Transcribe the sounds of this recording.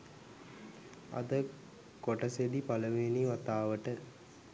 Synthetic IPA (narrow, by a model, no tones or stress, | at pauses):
ɐ̰d̪ə | koʈəsed̪ipaləʋeːniʋat̪aːʋəʈə